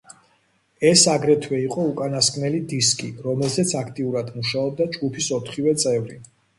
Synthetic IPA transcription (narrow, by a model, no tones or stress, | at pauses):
ɛsaɡɾɛt̪ʰwɛiqʼɔukʼanaskʼnɛlid̪iskʼiɾɔmɛlzɛt̪sʰakʰt̪ʼiuɾad̪muʃaɔb̚d̪ad͡ʒɡupʰisɔt̪ʰχivɛt̪sʼɛvɾi